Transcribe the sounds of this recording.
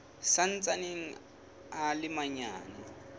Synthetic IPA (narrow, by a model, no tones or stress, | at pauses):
san̩t͡sʼaneŋ̩ | alɪmaɲa̰ːna